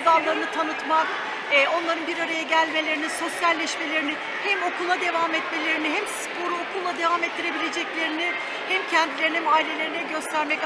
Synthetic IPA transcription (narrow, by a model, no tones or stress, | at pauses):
d̪aɾlˠaɾɯnɯt̪ʰanɯt̪mak̚ː | o̞nlˠaɾɯnbiɾaɾajaɟælʲme̞lʲe̞ɾiniso̞sjalʲːɛʃme̞lʲeɾinɪ | hɛmo̞kʰulˠad̪e̞vaːmɛt̪me̞lʲe̞ɾiniɦɛmspʰo̞ɾuokʰulˠːad̪e̞vamɛt̪ːiɾe̞bilʲe̞d͡ʒɛclʲe̞ɾinɪ | hɛmcʰɛnd̪ilʲeɾinimaːilʲe̞lʲe̞ɾinɛɟø̞st̪ʰæɾmɛc